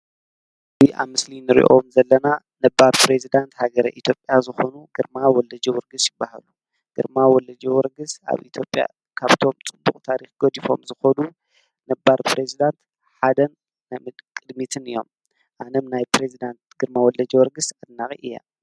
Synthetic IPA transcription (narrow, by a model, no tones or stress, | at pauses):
ziʔa̰βmːɨslinɨɾḭʔomzɐlːɐna | nɐbːaɾpʰɾezid̪ant̪haɡɐɾɐʔit̪ʰjo̞pʼːjazɨxonuɡ̥ɨɾmawɔlːɐd͡ʒɐwɔɾɡɨsjɪbːaha̰lu | ɡ̥ɨɾmawɔlːɐd͡ʒɛwɔɾɡɨsa̰βḭt̪ʰjo̞pʼja̰ | kʰaβt̪ʰo̞mt͡sʼɨbːukʼt̪ʰaɾixɡ̥od̪ifo̞̰mzɨxɐnu | nɐbaɾpʰɾezid̪ant̪ | ħad̪ɐn | namɨkʼɨd̪mit̪ʰɨnɨjːo̞̰m | ʔanɐmnajpɾezid̪ant̪ɡɨɾmawɔlɐd͡ʒɐwɔɾɡɨsʕɨd̪naχʼḭʔɨjːa̰